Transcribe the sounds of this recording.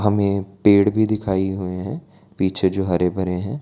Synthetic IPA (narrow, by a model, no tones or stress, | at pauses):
ɦɐmẽpeːɽbʱid̪ɪkʰaːiɦueɦɛ̃ | piːt͡ʃʰed͡ʒoːɦɐɾebʱɐɾeɦɛ̃ː